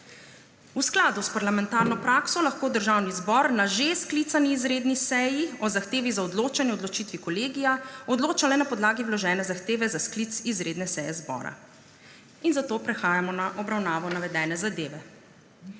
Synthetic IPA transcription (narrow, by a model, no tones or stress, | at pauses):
usklaːd̪uspaɾlamɛnt̪aːɾnɔpɾaːksɔlaxkoːd̪əɾʒawnizbɔɾnaʒesklit̪saniːzɾeːd̪nisɛjiɔzaxt̪eːʋizaɔd̪loːt͡ʃanjɛɔd̪lɔt͡ʃiːt̪ʋikɔleːɡijaɔd̪loːt͡ʃalɛnapɔd̪laːɡiwlɔʒɛːnɛzaxt̪eːʋɛzasklit̪izɾed̪nɛsɛjɛzbɔ̰ːɾa̰ | inzat̪oːpɾɛxaːjamɔnaʔɔbɾawnaːʋɔnaʋɛd̪ɛːnɛzad̪eːʋɛ